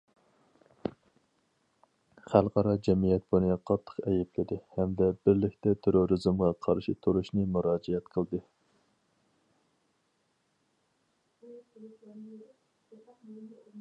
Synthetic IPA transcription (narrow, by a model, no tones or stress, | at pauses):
χælˠqʰɑɾɑd͡ʒɛmijɛt̪̚bunɨqʰɑt̪ʰːə̥qɛjɛpʰlɪd̪ɪhɛmd̪ɛbɪɾlɪkʲt̪ɛt̪ʰeɾoɾɨzɨmʁɑqʰɑɾʃit̪ʰuɾuʃnɨmuɾɑːd͡ʒɛɛt̪qʰəlˠd̪ɨ